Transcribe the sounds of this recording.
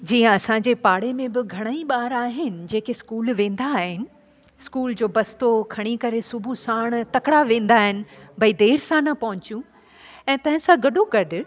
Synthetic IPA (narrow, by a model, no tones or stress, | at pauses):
d͡ʑiːə̃ɐsãɲd͡ʑepaːɽemẽbɪɡʱɐɽ̃aĩɓaːɾaːɦɪnɪ̆d͡ʑeːkeskuːlʋẽːn̆d̪aːɦɪnɪ̆ | ɪskuːld͡ʑoːbɐst̪okʰɐɽ̃ikɐɾesʊbʱusaːɽ̃t̪ɐkɽaʋẽːn̆d̪aːɦɪnɪ̆bʱɐid̪eːɾsãnɐpɐɦʊ̃t͡ɕijũ | ɛ̃ːt̪ɐ̃ɦɪ̃sãɡɐɗoɡɐɖʱʊ̆